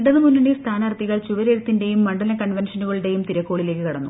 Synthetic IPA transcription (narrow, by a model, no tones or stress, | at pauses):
ɖɐðɨmunːɐɳist̪ʰaːnɐɐrt̪ːiɣɐɭt͡ɕuʋɐɾeɾut̪ːinde̞jumːɐɳɖɐlɐkɐɳʋenʂɐnuɣɐɭuɽe̞jumt̪iɾɐkːo̞ːɭile̞ːkːɨkɐɽɐ̰nːu